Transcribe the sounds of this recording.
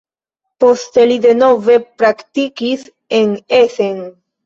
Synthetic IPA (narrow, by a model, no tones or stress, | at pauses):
post̪elid̪e̞nove̞pɾakt̪ikis | enesen